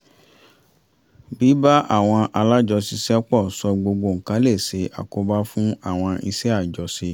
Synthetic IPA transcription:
bi˨˦ba˦ʔa̰˦˨w̃ɔ̃˧ʔa˧la˦d͡ʒɔ˧si˧sɛ˦k͡pɔ˦˨sɔ˧ɡ͡bo˧ɡ͡bo˧˨ŋ̩˨kã˦le˦˨se˨˧˦ʔa̰˨ko˧˦ba˦fũ˦a˦˨w̃ɔ̃˧i˧sɛ˦a˦˨d͡ʒɔ˨˦si˧

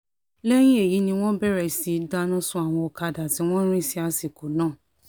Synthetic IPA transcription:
lɛ˦j̃ĩ˦e˦˨ji˨˦nĩ˧w̃ɔ̃˦bɛ˦˨ɾɛ˨si˨˦da˧nũ˦sũ˦a˦˨w̃ɔ̃˧ɔ˧ka˧da˨ti˨˦w̃ɔ̃˦ɾ̃ĩ˦˨si˦a˧si˨ko˨˦nãː˦˨

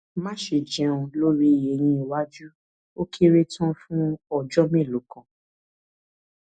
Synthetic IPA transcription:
mã˦ʃe˨d͡ʒɛ̃˨˧˦ũ˧lo˦ɾi˦˨je˨j̃ĩ˧i˨wa˦d͡ʒu˦ | o˦kʰi˦ɾe˦tʰã˦fũ˦ɔ˦˨d͡ʒɔ˦mẽ˦˨lo˨˦kã˨

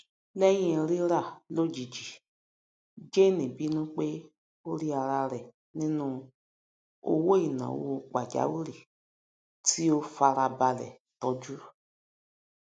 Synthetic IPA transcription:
lɛ˦jĩ˦˨ɾi˦ɾa˦˨lo˦d͡ʒi˨d͡ʒi˨ | d͡ʒe˦nĩ˨bi˨˦nũ˦k͡pe˦ | o˦ɾi˦a˧ɾa˧ɾɛ˨ | nĩ˦nũ˧ | o̰˦wo˦i˨nã̰˨w̰o˧k͡pa˨d͡ʒa̰˨˦wu˦ɾi˨ | tʰi˦o˦fa˧ɾa˧ba˧lɛ̰˨ | tɔ˧˦d͡ʒu˦

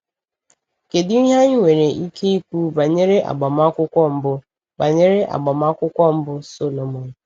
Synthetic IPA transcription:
ke˨dɪ˦i˦ɦa˦ɲɪ˦ŋʷe˨ɾe˨ʔi˦kʰe˦i˦pu˦ba˨ɲe˦ɾe˦ʔa̰˨ɡ͡ba˨m˦a˦kʷʊ˦kʷɔ˦m̩˦bʊ˦ | ba˨ɲe˦ɾe˦ʔa̰˨ɡ͡ba˨m˦a˦kʷʊ˦kʷɔ˦m̩˦bʊ˦so˦lo˨mo˨n̩˨˦

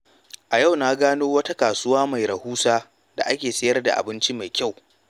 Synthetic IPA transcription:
ʔa˨ja˦˨wna˦ɡaː˦noː˦wɐ˦ta˦kaː˨sʊ˦waː˦ma˨jɾɐ˨huː˦saː˦ | da̰˨ʔa˦kʲeː˨sɐ˦jɐ˦rda̰˨ʔa̰˨bɪ˦nt͡ʃi˦ma˨jkʲa˦˨w

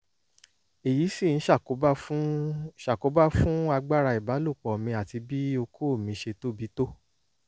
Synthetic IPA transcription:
e˨ji˨˦sĩ˦˨n̩˨˦ʃa˦˨ko˨˦ba˦ʃa˨ko˨˦ba˦fũ˦a˧ɡ͡ba˦ɾa˧i˨ba˨˦lu˦˨k͡pɔ˨mĩ˧a˨ti˧bi˦o˧kʰo˦˨mĩ˧˦ʃe˧to˦bi˨˦to˦

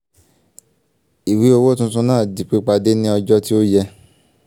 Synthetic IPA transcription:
i˨wi˨˦o˧wo˦tũ˦sũ˧˦nãː˦˨di˨k͡pe˨˦k͡pa˧de˦nĩ˦ɔ˧d͡ʒɔ˦ti˦o˦jɛ˧

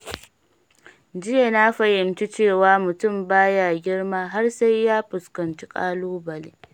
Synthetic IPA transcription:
d͡ʒɪ˦je˨naː˦ɸɐ˨jɪ˨mt͡ʃi˦t͡ʃeː˦˨waː˦mʊ˨tʊ˦˨mbaː˦jaː˦˨ɡʲɪ˦ɽmaː˦ɦa˦rsa˦jːaː˦ɸʊ˨skɐ˨nt͡ʃi˦kʼa̰ː˦loː˦bɐ˨leː˦

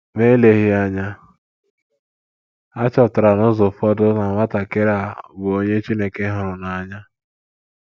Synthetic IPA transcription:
me˦le˨ɦɪ˦a˦ɲa˦ | a˦t͡ʃɔ˨tʊ˨ɾa˨nʊ˦zʊ˨fɔ˦dʊ˦na˨ŋʷa˦ta˨ke˦ɾa˨bʊ˨o˦ɲe˦t͡ʃi˦ne˨ke˦ɦʊ˨ɾʊ˨na˨ɲa˦

